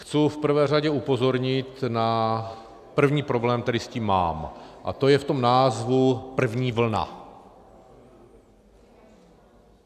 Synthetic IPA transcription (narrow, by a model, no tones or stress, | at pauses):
xt͡sufpr̩vɛːr̝aɟɛupo̞zo̞ɾɲɪt̪na | pr̩vɲiːpɾo̞blɛːmt̪ɛdɪsciːmːa̰ːmʔa̰t̪o̞jɛft̪omnaːzvupr̩vɲiːvl̩na̰